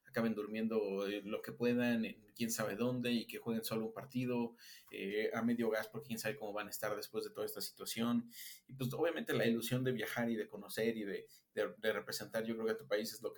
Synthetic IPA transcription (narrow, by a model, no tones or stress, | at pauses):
akaβend̪uɾmje̞nd̪o̞loke̞pwe̞ðanenkje̞nsaβe̞ðo̞nd̪e̞ike̞xwe̞ɣenso̞lo̞umpaɾt̪ið̞o̞ḛame̞ðjo̞ɣ̞aspoɾkekjensaβe̞ko̞mo̞βanaest̪aɾðe̞spwe̞zðe̞t̪o̞ðaest̪asi̥t̪wasjo̞nipwes̬oβjamẽ̞nt̪e̞lailusjo̞nd̪e̞βjaxaɾiðe̞ko̞no̞se̞ɾiðe | ðed̪ere̞pɾe̞se̞nt̪aɾʝokɾeokeat̪upaisezlo̞k